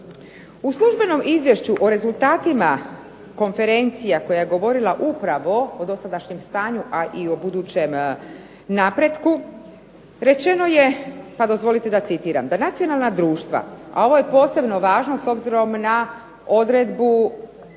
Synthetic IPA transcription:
uslˠuʒbe̞no̞mizʋje̞ʃt͡ɕuʔoɾe̞zulˠt̪aːt̪ima | ko̞nfe̞ɾe̞nt̪sijako̞jaje̞ɡo̞ʋo̞ɾilˠaʔupɾaʋo̞od̪o̞sad̪aʃɲemst̪aːɲuʔaʔio̞bud̪uːt͡ɕe̞m | naːpɾe̞d̪ku | ɾe̞t͡ɕe̞no̞je̞pad̪o̞zʋo̞lit̪e̞d̪at̪sit̪iːɾa̰md̪anat̪ijo̞nalˠnad̪ɾuːʃt̪ʋa̰ʔa̰o̞ʋo̞je̞po̞ːse̞bno̞ʋaːʒno̞so̞bziɾo̞mna | o̞d̪ɾe̞d̪bu

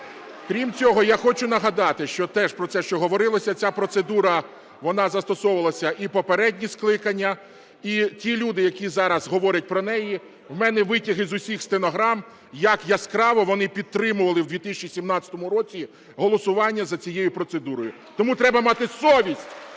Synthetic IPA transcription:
kɾʲimt͡sʲɔɦɔjaxɔt͡ʃʊnɐɦɐd̪ɑt̪ɪʃt͡ʃɔt̪ɛʃpɾɔt̪sɛʃt͡ʃɔɦɔʋɔɾɪlˠɐsʲɐt͡sʲapɾɔt̪sed̪uɾɐ | ʋɔnɑzɐst̪ɔsɔʋɐlˠɐsʲɐʔipɔpeɾɛdʲnʲisklˠɪkɐnʲːɐ | itʲilʲud̪ɪjɐkʲizɑɾɐzɦɔʋɔɾʲɐt̚ʲpɾɔnɛji | wmɛnɛʋɪtʲiɦɪzʊsʲixst̪enɔɦɾɑm | jɐkjɐskɾɑʋɔʋɔnɪpʲid̪̚t̪ːɾɪmʊʋɐlˠɪwd̪ʋʲit̪ɪsʲt͡ʃisʲimnɑtt͡sʲɐt̪ɔmʊɾɔt͡sʲi | ɦɔlˠɔsʊʋɑnʲːɐzɐt͡sʲijejʊpɾɔt̪sed̪uɾɔjʊ | t̪ɔmut̪ɾɛbɐmɑt̪ɪsɔʋʲisʲtʲ

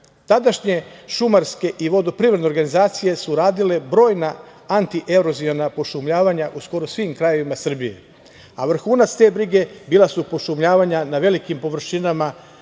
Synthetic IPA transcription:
t̪ad̪aʃɲe̞ʃumaɾske̞ʔiʋo̞d̪o̞pɾiʋɾed̪ne̞oɾɡanizaːt̪sije̞suɾaːd̪ile̞bɾo̞ːjna | ant̪iʔe̞ɾo̞zionapo̞ʃumʎaːʋaɲaʔusko̞ɾosʋimkɾajo̞ʋimasr̩bije̞̰ | aʋr̩xuːnat̪st̪e̞ːbɾiɡe̞biːlasupo̞ʃumʎaːʋaɲanaʋe̞likimpo̞ʋr̩ʃinama

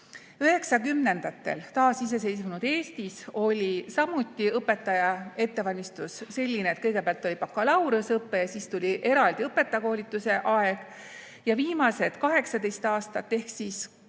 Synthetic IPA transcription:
yɦe̞ksɑkymne̞nd̪̥ɑt̪ːˑe̞̰lt̪ɑːsis̬e̞s̬e̞jsmunud̪̥e̞ːst̪iso̞lʲisɑmut̪ːˑiɤpːˑe̞t̪ːˑɑjɑe̞t̪ːe̞vɑlʲmist̪usːe̞lʲːinet̪kɤjɡ̥epeɑlt̪ːˑo̞lʲipɑkːɑlɑwɾusɤpːe̞jɑsist̪ulʲiʔe̞ɾɑld̪iɤpːˑe̞t̪ːˑɑjɑko̞ːlʲit̪ːˑuse̞ʔɑe̞ɡ̥ | jɑviːmɑse̞d̪̥kɑɦe̞ksɑd̪e̞jst̪ɑːst̪ɑt̪ːe̞hksiːs

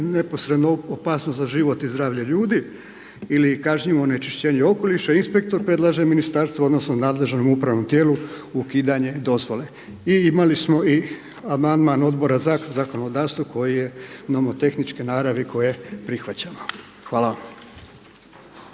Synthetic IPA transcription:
ne̞posɾed̪noopaːsnost̪zaʒiʋo̞t̪izd̪ɾaːʋʎaʎuːd̪i | ilikaʒɲiʋone̞t͡ʃiʃt͡ɕe̞ːɲeo̞ko̞liʃainspe̞k̚t̪o̞ɾpɾe̞d̪lˠaʒeminist̪aɾst̪ʋoo̞d̪no̞snonaːd̪le̞ʒnomupɾaʋno̞mt̪je̞ːluukiːd̪aɲe̞d̪o̞zʋo̞le̞ | iimalismo̞i | amand̪mano̞d̪bo̞ɾazazako̞no̞d̪aːʋst̪ʋako̞jije̞nomot̪e̞xnit͡ʃkenaːɾaʋiko̞jjepɾixʋat͡ɕano | xʋaːlaʋam

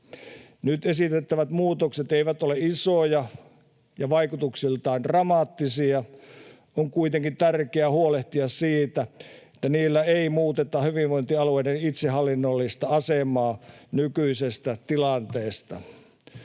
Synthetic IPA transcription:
nyt̪esit̪et̪ːæʋæt̪muːt̪okset̪eiʋæt̪oleisojɑ | jɑʋɑikut̪uksilt̪ɑːndrɑmɑːt̪ːisiɑ | oŋkuit̪eŋkint̪ærkeæhuoleht̪iɑssiːt̪æet̪ːæniːlːæeimuːt̪et̪ɑhyʋiʋʋoint̪iɑlueidenit̪sehɑlːinːolːist̪ɑɑsemɑːnykyisest̪æt̪ilɑnt̪eːst̪ɑ̰

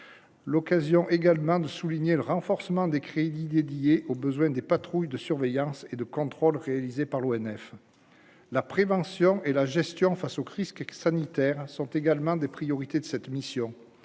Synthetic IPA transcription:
lɔkazjɔ̃ʔeɡalmɑ̃d̪əsuliɲeləʁɑ̃fɔʁsəmɑ̃d̪ekχed̪id̪ed̪ijeʔobəzwɛ̃d̪epat̪χujd̪əsyʁvɛjɑ̃sed̪əkɔ̃t̪χɔlʁealizepaʁloɛnɛf | lapχevɑ̃sjɔ̃ʔelaʒɛst̪jɔ̃fasoʁisksanit̪ɛʁsɔ̃t̪eɡalmɑ̃d̪epχijɔʁit̪ed̪əsɛt̪misjɔ̃

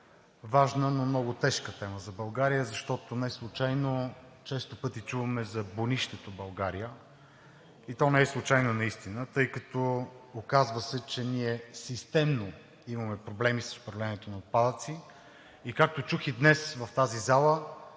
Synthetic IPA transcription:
vaʒnənomnɔɡʊt̪ɛʃkət̪ɛməzɐbɐlˠɡaɾijəzɐʃt̪ɔt̪onɛslˠʊt͡ʃajno | t͡ʃɛst̪opɤt̪it͡ʃuvɐmɛzɐboniʃt̪ɛt̪obɐlˠɡaɾijə | it̪ɔnɛɛslˠʊt͡ʃajnonɐist̪inət̪ɤjkɐt̪oːkazvəsɛt͡ʃɛniɛsist̪ɛmno | imɐmɛpɾoblɛmisəsʊ̥pɾɐvlɛniɛt̪onɐot̪̚pad̪ət̪si | ikak̚t̪ot͡ʃuxid̪nɛsvɐft̪azizalˠə

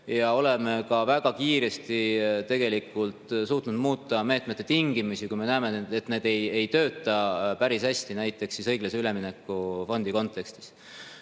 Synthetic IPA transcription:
jɑo̞le̞me̞kɑvæɡ̥ɑkiːɾe̞st̪it̪e̞ɡ̥e̞likːˑult̪suːt̪nud̪̥muːt̪ːˑɑme̞ːt̪ˑmet̪ːet̪iŋɡ̥imusikujme̞næːmeet̪ːne̞ːd̪̥e̞je̞jt̪ø̞ːt̪ːˑɑpæɾishæsʲt̪inæjt̪ːˑe̞ksisɤ̞jɡ̥lɑseyle̞minekːˑufo̞nd̪̥iko̞nt̪ːˑe̞kst̪i̥s

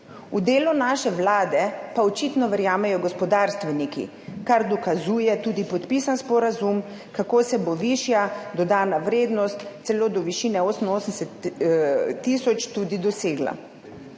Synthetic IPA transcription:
ud̪eːlunaːʃɛʋlaːd̪ɛpaɔt͡ʃit̪nɔʋɛɾjaːmɛjɔɡɔspɔd̪aːɾst̪ʋɛnikḭ | kaɾd̪ɔkazuːjɛt̪uːd̪ipɔt̪piːsanspɔɾazum | kakoːsɛboʋiːʃjad̪ɔd̪aːnaʋɾeːd̪nɔst̪t̪sɛloːd̪ɔʋiʃiːnɛoːsəminoːsənsɛt̪ː | isɔt͡ʃt̪uːd̪id̪ɔseːɡla̰

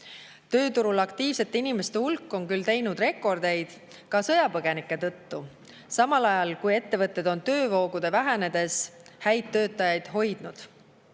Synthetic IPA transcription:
t̪ø̞ːt̪uɾulɑkt̪iːvse̞t̪ːˑeinimest̪e̞hulkːˑo̞nkylt̪e̞jnud̪re̞kːˑo̞rd̪e̞jd̪̥ | kɑsɤjɑpɤɡ̥e̞nikːˑe̞t̪ɤ̞t̪ːu | sɑmɑlɑjɑlkuje̞t̪ːe̞vɤt̪ˑːe̞d̪̥o̞nt̪ø̞ːvo̞ːɡ̥ud̪̥e̞væɦæne̞d̪̥e̞shæjd̪ːø̞ːt̪ˑːɑjɑjd̪̥ɦo̞jd̪̥nud̪̥

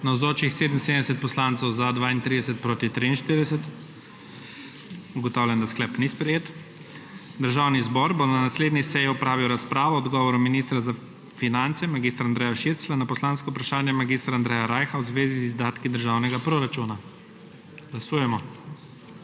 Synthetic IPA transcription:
nawzoːt͡ʃixseːd̪m̩sed̪ɛsɛt̪pɔslant̪sɔwzad̪ʋaːint̪ɾid̪ɛsɛt̪̚pɾoːt̪it̪ɾiinʃt̪iɾid̪ɛsɛt̪ | uɡɔt̪awlʲjɛnd̪asklɛpnispɾɛjeːt̪ | d̪əɾʒawnizbɔɾbonanasleːd̪nisɛjiɔpɾaːʋiwɾaspɾaːʋɔɔd̪ɡɔːʋɔɾuminist̪ɾaza | finant̪sɛmaɡist̪ɾand̪ɾɛjaʃiɾtslanapɔslanskɔupɾaʃaːnjɛmaɡist̪ɾaːnd̪ɾɛjaɾajxawzʋeːzizzd̪aːt̪kid̪əɾʒawnɛɡapɾoɾat͡ʃuna | ɡ̥lasuːjɛmɔ

